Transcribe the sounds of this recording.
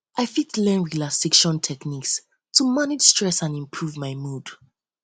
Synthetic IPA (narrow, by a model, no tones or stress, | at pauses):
ʔaɪfitlɛ̃nɹilasikʃɔ̃ntʰɛkniks | tʰumanɪd͡ʒstɹ̥ɛsãnĩmpʰɹuvmaɪmud̥